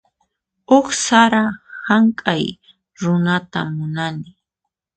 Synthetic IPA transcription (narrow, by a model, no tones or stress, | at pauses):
ʊχsaɾahaŋkʼaj | ɾʊnat̪a̰mːʊnanɪ